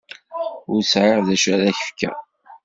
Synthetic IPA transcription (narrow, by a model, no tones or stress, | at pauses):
ʊɾsʕaʁðæʃɾæðæçə̥fkːæ̰